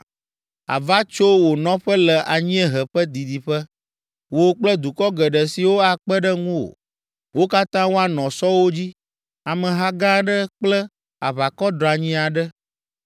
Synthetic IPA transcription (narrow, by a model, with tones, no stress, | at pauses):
a̰˨va˦t͡ʃo˦wo˨nɔ̃˦ɸə˦lɛ˨ʔa˨ɲĩ˦ɛ˨ɦɛ˨ɸɛ˦d̪i˨d̪i˨ɸɛ˦ | wo˦k͡plə˦d̪u˨kɔ˦ɡɛ˨ɖɛ˨si˨wo˦a˨k͡pɛ˦ɖə˦ŋũ˦o̰˨ | wo˦ka˦t̪ã˦wo˦a˨nɔ̃˨sɔ˦wo˦d͡ʑi˦ | a˨mɛ̃˨ɦa˦ɡã˦ɖə˦k͡plɛ˦ | a̰˨βa˨kɔ˦ɖɾa˨ɲĩ˦a˨ɖə˦